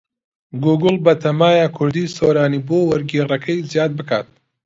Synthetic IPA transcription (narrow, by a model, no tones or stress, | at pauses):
ɡuːɡɨlˠbɐt̪ʰɐmaːjakʰʊɾd̪iːsoɾaːniːboːwɐɾɡiːrɐkʰɐjzijaːd̪̚bɨka̰ːt̪